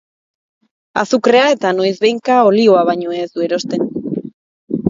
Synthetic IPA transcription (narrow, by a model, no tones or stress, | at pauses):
a̰sukɾe̞ae̞t̪ano̞jzβe̞jŋkao̞lio̞aβaɲo̞ezd̪ue̞ɾo̞st̪e̞n